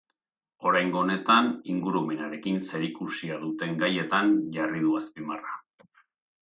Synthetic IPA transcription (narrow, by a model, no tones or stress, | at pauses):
o̞ɾajŋɡone̞t̪aniŋɡuɾume̞naɾe̞kinse̞ɾikusiaðut̪e̞ŋɡaje̞t̪anʝarið̞uaspimara